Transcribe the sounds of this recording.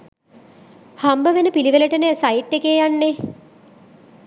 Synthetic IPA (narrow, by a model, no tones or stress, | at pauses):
hambəʋenəpiliʋeləʈənesaiʈːekeːjanːe